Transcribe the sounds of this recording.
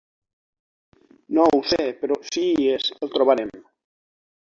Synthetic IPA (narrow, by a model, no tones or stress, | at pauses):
nowsepeɾosieselˠt̪ɾoβaɾem